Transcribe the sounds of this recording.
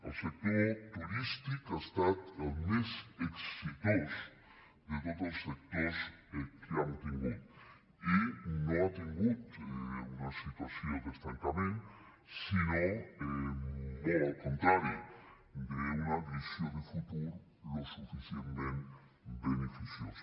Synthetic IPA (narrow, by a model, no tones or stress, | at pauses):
elsek̚t̪oɾt̪uɾist̪ikaest̪at̪elmeseksit̪os | d̪et̪oðosek̚t̪osekjamt̪eŋɡut̪ | inoat̪eŋɡut̪eunasit̪wasjod̪est̪aŋkamẽn | sinoemoakont̪ɾaɾja | d̪eunaβisjod̪efut̪uɾ | losufisjenmẽn | benefisjos